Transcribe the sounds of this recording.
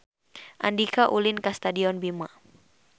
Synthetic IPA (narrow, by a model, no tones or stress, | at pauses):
ʔa̰ndikaʔulɪnkast̪adiɔnbima